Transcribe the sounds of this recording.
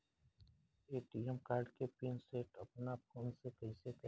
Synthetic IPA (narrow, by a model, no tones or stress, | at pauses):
eːʈiɛmkaːɾɖkepiːnseːʈɐpnapʰoːnsekɐɦɪsekə